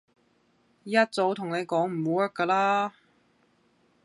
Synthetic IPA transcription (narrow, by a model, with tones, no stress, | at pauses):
jɐ˥t̚t͡so˨˥wt̪ʰʊ˨˩ŋne˨˧jkɔː˨˥ŋm̩˨˩wuː˨˥wɐ˥t̚kəː˧laː˥